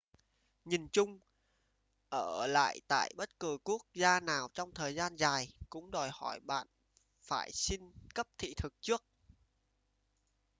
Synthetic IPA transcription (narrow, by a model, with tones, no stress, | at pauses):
ɲi˨˩nt͡ɕʊ˧ŋ͡m | ʔəː˧˩la̰ː˧˨jt̪a̰ː˧˨jɓə˦˥t̚kɨ˨˩ku˦˥ək̚zaː˧naː˨˩wt͡ɕɔ˧wŋ͡mt̪ʰəː˨˩jzaː˧nzaː˨˩jkʊ̰˧˥ŋ͡mɗɔ˨˩jhɔ˧˩jɓa̰ː˧˨n | faː˧˩jsi˧nkə˦˥p̚t̪ʰḭ˧˨t̪ʰɨ˨˩k̚t͡ɕɨ˦˥ək̚